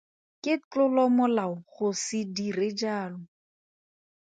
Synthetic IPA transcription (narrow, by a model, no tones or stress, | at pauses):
kɪt͡ɬʊlɔmʊlaʊχʊsɪdirɪd͡ʒaːlʊ